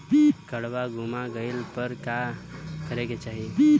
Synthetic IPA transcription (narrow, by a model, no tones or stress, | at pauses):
kəɽʋaɡumaɡəɪlpəɾkakəɾeket͡ʃaːɦie